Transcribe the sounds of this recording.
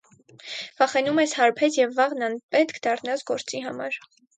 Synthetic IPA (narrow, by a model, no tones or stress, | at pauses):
vɑχɛnumɛshɑɾpʰɛt͡sjɛvːɑʁnɑnpɛt̪kʰd̪ɑrnɑt͡sɡɔɾt͡siɦɑmɑɾ